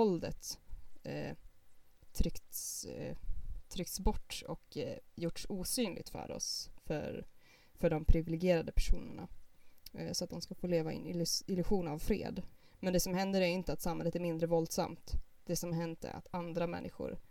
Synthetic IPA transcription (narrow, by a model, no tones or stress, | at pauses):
vɔld̪ə̰t̪ | ɾʏkt̪s | t̪ʰɾʏk̚t̪sbɔʈːɔkjʊʈsuːsyːnlɪ̰ɡ̚t̪fœ̰ɾɔ̰sfœ̰ɾ | fœɖɔmpʰɾɪvɪlɪɡjeːɾad̪əpʰæʂuːnə̰ɳa̰ | sɔat̪̚d̪ɔmskafoːleːvaɪ̰nɪɪlɵɧuːnavfɾḛːd̪ | mɛnd̪ɛsɔmhɛnd̪əɾæjɪnt̪əat̪samhɛlət̪æɾmɪnd̪ɾəvɔld̪sa̰mt̪ | d̪̥ɛsɔmhaɦɛnt̪ɛ̰ɾa̰t̪ʰand̪ɾamɛ̰nːɪɧʊ̰ɾ